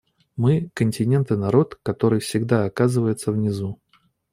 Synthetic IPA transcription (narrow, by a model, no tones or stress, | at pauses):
mɨkənʲtʲɪnʲe̞nt̪ɨnɐɾo̞t̪kɐt̪o̞ɾɨjfsʲɪɡd̪aɐkazɨvəjɪt̪səvnʲɪzu